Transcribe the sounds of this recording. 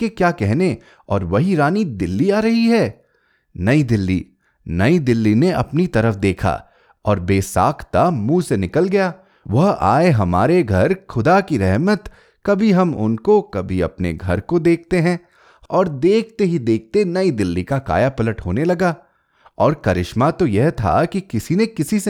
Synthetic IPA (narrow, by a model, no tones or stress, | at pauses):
kekjaːkɛɦne | ɔːɾʋɐɦiɾaːnid̪ɪlːiaːɾɐɦiɦɛː | nɐid̪ɪlːḭ | nɐid̪ɪlːineɐ̰pnit̪ɐɾəfd̪eːkʰa̰ː | ɔːɾbeːsa̰ːkʰt̪amũːsenɪkəlɡɐjaː | ʋɐɦa̰ːeɦɐmaːɾeɡʱɐɾxʰʊd̪akiɾɛɦmət̪ | kɐbʱiɦɐmʊ̰nkokɐbʱiɐ̰pnḛɡʱɐ̰ɾkod̪eːk̚ʰt̪eɦɛ̃ | ɔːɾd̪eːk̚ʰt̪eɦid̪eːk̚t̪enɐid̪ɪlːikaka̰ːjapɐləʈɦoːnelɐɡaː | ɔːɾkɐɾɪʃmat̪ojɛɦt̪ʰa̰kikɪsinekɪsise